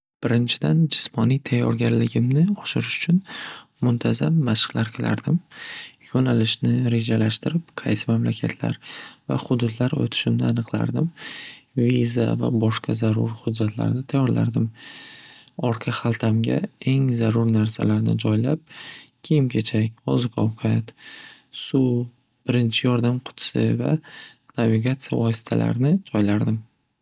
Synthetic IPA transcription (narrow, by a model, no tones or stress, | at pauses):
b̥ɪɾɪnt͡ʃʰɪd̪and͡ʒɪsmɒnijt̪ʰajːɒ̰ɾɡʲaɾlɪɡʲɪmnɪɒʃɪɾɪʃʊ̥t͡ʃʰʊn | mʊnt̪ʰazamːaʃqlaɾkʲʰɪla̰ɾd̪ɪmjonalɪʃnɪɾe̞ʒalaʃt̪ɪɾɪp̚qʰɑjsɪmamlakʲʰat̪ʰla̰ɾva̰χʊd̪ʊd̪laɾo̰t̪ʰɪ̥ʃɪmnɪanɨqlˠa̰ɾd̪ɪm | viza̰va̰bɒʃqʰɑzaɾʊ̰ɾhʊd̪d͡ʒːat̪ʰla̰ɾnɪt̪ʰajːɒɾla̰ɾd̪ɪm | ɒɾqʰɑχalˠt̪ʰamɡʲa̰e̞ŋzaɾʊɾnaɾsa̰laɾnɪd͡ʒɒjlap̚kʲʰejɪmkʲʰe̞t͡ʃʰakʲɒzʊkʰɒwqʰat̪ | su | b̥ɪɾɪnt͡ʃʰɪjɒɾd̪amqʰʊ̥t̪ʰsɪ̰va̰naviɡat̪sɨja̰vɒsɪ̥t̪ʰala̰ɾnɪd͡ʒɒjlaɾd̪ɪm